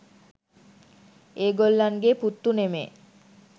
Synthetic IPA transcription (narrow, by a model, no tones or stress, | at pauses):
eɡolːanɡeput̪ːunemḛ